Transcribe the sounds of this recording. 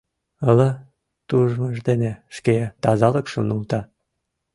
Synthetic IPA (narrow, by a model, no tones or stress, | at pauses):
ələ | t̪uʒməʒd̪eneʃket̪ɑzɑlə̆kʃənult̪ɑ